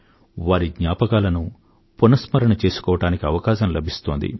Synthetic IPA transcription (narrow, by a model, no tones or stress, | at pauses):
ʋaːɾiɡɲaːpɐkaːlɐnu | punɐsmɐɾɐɳɐt͡ʃe̞ːsu̥kɔːʋɐʈaːnikiɐʋɐkaːʃɐmlɐbʱist̪oːnd̪ḭ